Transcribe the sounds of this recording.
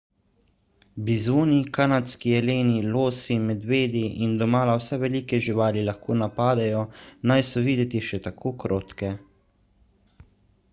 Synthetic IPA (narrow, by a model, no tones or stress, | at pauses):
bizoːnikanat̪skiɛleːniloːsimɛd̪ʋeːd̪iind̪ɔmaːlawsɛʋɛliːkɛʒiʋaːlilaxkoːnapaːd̪ajɔnajsɔʋiːd̪ɛt̪iʃɛt̪akʰoːkɾoːt̪kɛ